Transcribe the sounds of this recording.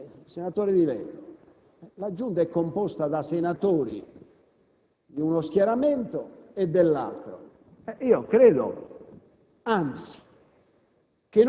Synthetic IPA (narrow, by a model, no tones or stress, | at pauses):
sɛnat̪oːɾiðivɛ̰n | ɛlad͡ʒːunt̪̬aɛkːompɔst̪aðasɛnat̪oːɾḭ | d̪iunɔsk̟jaɾamɛnt̪ɔɛd̪ːɛlːa̰lt̪ɾo̰ | ɛʔiːɔkɾeːðɔ̰ | ant̪si̥ | k̟en